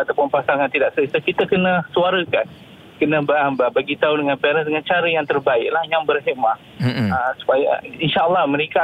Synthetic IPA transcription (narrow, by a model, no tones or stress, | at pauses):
at̪awpʊnpasaŋant̪idaʔsəisəkit̪əkənə̃suaɾəkan | kənə̃bəababaɡit̪audəŋãnpɛɾəsdəŋant͡ʃaɾəjaŋt̪ərbaɪʔlahjaŋbərɦɛʔma | əmsu̥paja̰inʃaʔəlːɑhmə̃ɾeka